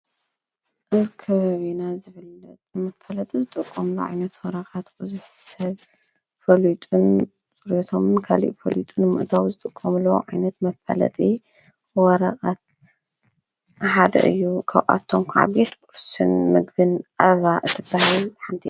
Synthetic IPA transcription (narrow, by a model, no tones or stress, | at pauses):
ʔɨβkʰɐβaβenazɨfɨlɐt̪ʼmɐfɐlɐt̪ʼizɨt̪ʼɨkʼːomluʕa̰jnɐt̪wɔɾɐqʼat̪bɨzuħsɐβ | fɐlit̪ʼun | t͡sʼuɾot̪ʰomɨnkʰalḭʔfɐ̰lit̪ʼunmɨʔt̪ʰawzɨt̪ʼɨkʼːɐmloʕajnɐt̪mɐfɐ̰lɐ̰t̪ʼi | wɔɾɐqʼat̪̚ | ħad̪ɐ̰ʔɨ̰jːukʰɐwʔʼa̰t̪ʰːomkʰʕa̰bet̪kʼuɾsɨ̰nmɨɡbɨnʔaβaʔɨt̪ʰːɨbːahilħant̪ʰi